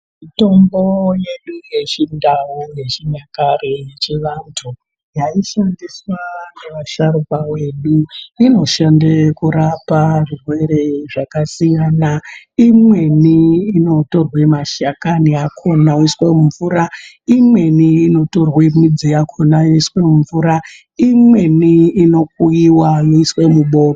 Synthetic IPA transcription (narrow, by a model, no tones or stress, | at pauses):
mito̞mbo̞je̞ɗuje̞t͡ʃindawoje̞t͡ʃiɲakarejet͡ʃiʋantʰu | jaiʃandiswaneʋaʃaɾupawe̞ɗuino̞ʃandekuɾaparurwe̞ɾe̞ʐakasijaːna | imwe̞niːno̞to̞rwemaʃakaniakʰonauiswemuɱvuɾa | imwe̞niːno̞to̞rwemid͡zijakʰonajoiswemuɱvuɾa | imwe̞niːno̞k̚uiwajoiswe̞muɓo̞ːro